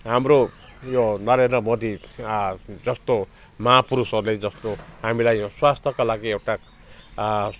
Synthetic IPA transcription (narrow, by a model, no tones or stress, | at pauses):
ɦamrojonʌɾend̪rʌmod̪i | d͡zʌst̪o | mʌapuɾusʌrled͡zʌst̪oɦamilajswast̪ʰjʌkalaɡiewʈa